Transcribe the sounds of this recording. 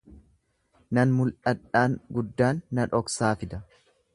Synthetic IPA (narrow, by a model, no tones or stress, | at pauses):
nɐnmʊlʔɐᶑːaːŋɡʊd̪ːaːnːɐᶑɔksaːfɪd̪ɐ